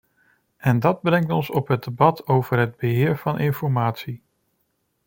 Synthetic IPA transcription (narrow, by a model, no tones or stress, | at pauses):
ʔɛndɑd̚brɛŋtɔnsɔpɦədebɑtʰowv̥əɹɦəd̚bəɦɪːɹv̥ɑnʔɪnfɔɹmaːtsi